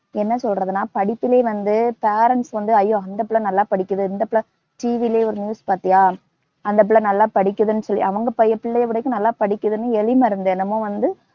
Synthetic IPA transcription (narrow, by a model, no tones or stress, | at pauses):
ɛnːɐsɔlrɐðɯnaːpɐɽɪpːɪleːʋɐnd̪ɯpeːɾɐɳʈsʋɐnd̪ɯɐjːoːɐnd̪ɐpɪɭɐnɐlːaːpɐɽɪkːɐðɯɪnd̪ɐpɪɭɐ | ʈiːʋileːɔɾɯnjuːspaːɾt̪ɪŋaː | ɐnd̪ɐp̬ɪɭɐnɐlːaːpɐɽɪkʲːɐðɯnːɯsɔlːḭʔɐʋɐŋɡɐpɐjɐpɪɭːɐjɐʋɪɽɐkːɯ̃nɐlːaːpɐɽɪkʲːɐðɯnːɯɛɻɪmɐɪɾɯnd̪enɐmːõːʋɐnd̪ɯ